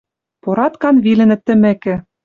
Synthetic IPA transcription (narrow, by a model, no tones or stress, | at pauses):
poɾɑt̪kɑnβilɘ̆nɘ̆t̪ːɘ̆mɘ̆kɘ̆